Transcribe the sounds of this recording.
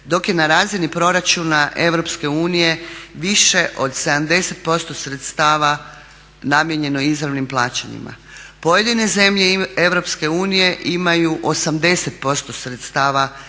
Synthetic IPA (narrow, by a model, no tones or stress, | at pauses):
d̪o̞kje̞naɾaːzinipɾo̞ɾat͡ʃuːnaʔe̞ʋɾo̞pske̞uːnije̞ʋiʃe̞ʔo̞d̪se̞d̪amd̪e̞se̞t̪̚po̞st̪o̞sɾe̞t̪st̪aːʋa | namjeɲe̞no̞izɾaʋnimplˠaːt͡ɕa̰ɲḭma̰ | po̞je̞d̪ine̞ze̞mʎe̞e̞ʋɾo̞pske̞uːnije̞ʔimajuʔo̞samd̪e̞se̞t̪̚po̞st̪o̞sɾet̪st̪aːʋa